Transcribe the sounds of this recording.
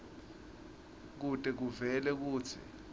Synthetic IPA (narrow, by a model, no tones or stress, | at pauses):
k̬utʼɛk̬uvɛlɛk̬uːt͡sʰḭ